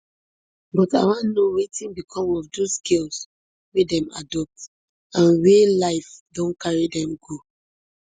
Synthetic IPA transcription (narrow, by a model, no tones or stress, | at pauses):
bɔtawãnnowetĩnbikʰɔ̃mɔvdoskʰels | wedɛ̃ma̰dɔp̚t | ãnwelaɪfdɔ̃nkaɹidɛ̃mɡo